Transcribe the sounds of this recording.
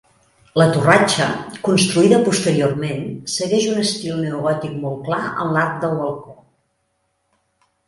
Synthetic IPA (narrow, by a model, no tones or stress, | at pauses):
lət̪urat͡ʃə̰kunst̪ɾuiðəpust̪əɾiormensəɣɛʒunəst̪ilˠnəuɣɔt̪ik̚mɔlˠklaə̰nlaɾk̚d̪əlˠβəlˠko